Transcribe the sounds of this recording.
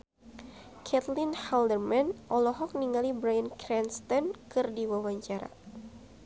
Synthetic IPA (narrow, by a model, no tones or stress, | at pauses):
kʰɛt̪lɪnhaldərmanʔɔlɔɦɔk̚niŋalibɾajankɾɛnst̪ɔnkɨrdiwawaɲt͡ʃaɾa̰